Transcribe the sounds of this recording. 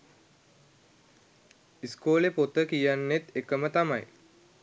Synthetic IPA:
iskoːlepot̪əkijanːet̪ekəmət̪ama̰j

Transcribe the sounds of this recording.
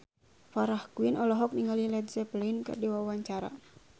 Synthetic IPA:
faɾahkuinɔlɔɦɔk̚niŋɡalilɛd̪zɛplinkə̰rdiwawaɲt͡ʃaɾa̰

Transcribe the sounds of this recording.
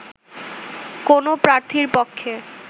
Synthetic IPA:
konopɾaɾt̪ʰiɾpokʰːe

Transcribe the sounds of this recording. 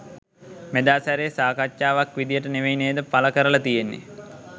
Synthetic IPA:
med̪aːsæɾeːsaːkatʃaːʋakʋid̪ijəʈəneʋejneːd̪əpaləkəɾəlat̪ijenːḛ

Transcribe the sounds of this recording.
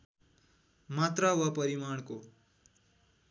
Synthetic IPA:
mat̪rawʌpʌɾimaɳ̃ko

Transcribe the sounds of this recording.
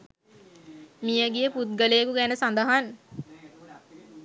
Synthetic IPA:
mijəɡijəput̪̚ɡəlejəkuɡænəsand̪əɦan

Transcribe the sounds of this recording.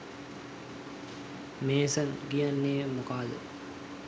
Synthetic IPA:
meːsənɡijanːeːmokaːlə̰

